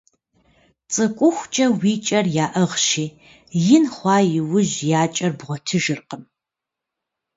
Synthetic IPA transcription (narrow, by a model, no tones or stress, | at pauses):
t͡sʼɨkʷʼʊxʷt͡ʃʼɐwiːt͡ʃʼɐrjaːʔɐʁʃiː | jɪnχʷɑːjɪwʊʑjaːt͡ʃʼɐrbʁʷɔtʰɨʒɨrqəm